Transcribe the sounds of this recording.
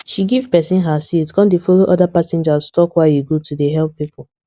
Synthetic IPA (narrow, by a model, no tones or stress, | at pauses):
ʃiɡiv̥pɛsĩnɦasitkɔ̃ndefoloʔɔdapasɛ̃nd͡ʒaztʰɔkwajuɡotʰudeɦɛlpːipʊl